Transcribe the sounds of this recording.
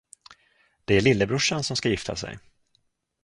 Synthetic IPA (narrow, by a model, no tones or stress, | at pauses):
d̪̥ɛæɭɪlːəbɾɵʂansɔmskajɪft̪ʰa̰sɛ̰j